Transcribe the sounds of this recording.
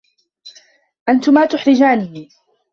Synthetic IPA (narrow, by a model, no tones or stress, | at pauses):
ʔant̪ʊmaːt̪ʊħɾɪd͡ʒaːni